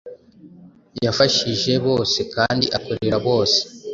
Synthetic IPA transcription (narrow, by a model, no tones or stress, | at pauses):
jafaʃiʒe̞βo̞ːse̞kaːndḭʔakoɾeɾaβo̞ːse̥